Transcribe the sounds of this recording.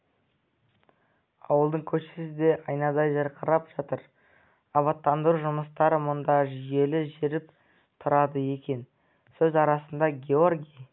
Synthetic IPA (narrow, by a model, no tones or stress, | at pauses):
ɑ̰wəlˠd̪əɴkʲʰɵʃɪ̥sɪd̪e̞ʔɑjnɑd̪ɑjʒɑɾqʰəɾɑpʒ̥ɑt̪əɾ | ɑβɑt̪ːɑnd̪əɾuʒʊməst̪ɑɾəmʊnd̪ɑʒije̞lɪʒeɾɪp | t̪ʰʊɾɑd̪əje̞kʲe̞n | sɵzɑɾɑsənd̪ɑɡʲeo̞rɡʲij